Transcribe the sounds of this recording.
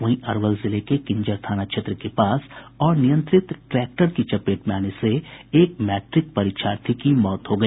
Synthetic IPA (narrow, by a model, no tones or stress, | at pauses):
ɐ̃ĩʔɐɾʋəlzɪlekekɪ̃ɲd͡ʒəɾt̪ʰaːnakʃʰet̪ɾəkepaːsɔːɾnijə̃nt̪ɾɪt̪ʈɾɛːk̚ʈəɾkit͡ʃɐpeːʈmaːneseeːk̚mɛːʈɾɪk̚pɐɾɪːkʃaːɾt̪ʰikimɔːt̪ɦoɡɐ